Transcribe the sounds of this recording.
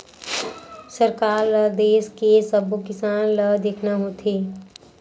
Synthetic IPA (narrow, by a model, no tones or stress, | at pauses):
səɾkaːɾləd̪eːskesəbokɪsaːnləd̪eːkʰnaɦoːt̪ʰeː